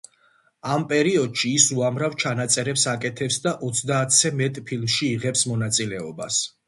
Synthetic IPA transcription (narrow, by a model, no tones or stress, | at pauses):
ampʼɛɾiɔd̪ʃiːsuamɾavt͡ʃʰanat̪sʼɛɾɛpsakʼɛt̪ʰɛpsd̪aʔɔt̪sʰd̪aːt̪ʰsɛmɛt̪ʼpʰilˠmʃiːʁɛpsmɔnat̪sʼilɛɔba̰s